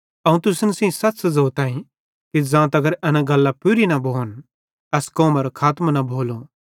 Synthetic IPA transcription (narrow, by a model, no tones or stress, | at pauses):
ɐũt̪ʊsnsĩsɐtːt͡ʃzoːt̪ãːĩ | kid͡zãːt̪ɐɡəɾɐnãɡɐlːapʊɾinɐbʱoːn | ɛskoːmɐɾokʰaːt̪mnabʱoːlo